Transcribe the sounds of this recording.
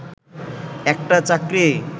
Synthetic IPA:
ek̚ʈat͡sakɾi

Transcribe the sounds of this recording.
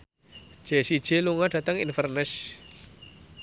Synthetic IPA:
ʒ̥e̤sid̥ʒ̥eluŋaɖ̥ä̤t̪əŋinfərnəs

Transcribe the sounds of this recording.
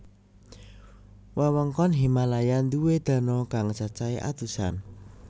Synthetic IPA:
wawəŋkɔnɦimalajand̪uwed̪̥ä̤nɔkaŋt͡ʃat͡ʃaiʔa̰d̪̥usa̰n

